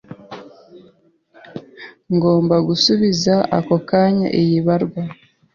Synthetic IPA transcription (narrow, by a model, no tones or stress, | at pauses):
ŋɡo̞ːmbaɡusuβizaʔa̰kokaɲa̰ʔejiβaɾɡwa